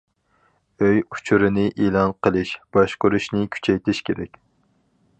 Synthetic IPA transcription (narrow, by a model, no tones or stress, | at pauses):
øjut͡ʃʰuɾɨnɪʔelˠɑnqʰəlˠɪʃb̥ɑʃqʊɾuʃnɪkʲʰy̥t͡ʃʰɛjt̪ʰɪʃkʲeɾɛkʲ